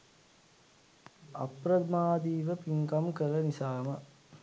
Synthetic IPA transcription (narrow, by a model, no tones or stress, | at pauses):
ɐ̰pɾɐd̪maːd̪iːʋəpiŋkɐmkəɾɐnisaːmɐ